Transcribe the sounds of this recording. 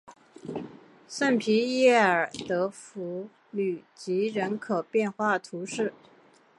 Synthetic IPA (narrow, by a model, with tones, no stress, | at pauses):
sa˥˩npʰi˧˥jɛ˥˩ə˞˨˩t̪ɤ˧˥fu˧˥ | ly˨˩t͡ɕi˧˥ɻə˧˥nkʰɤ˨˩pjɛ˥˧nxwa˥˩t̪ʰu˧˥ʂɻ̩˥˩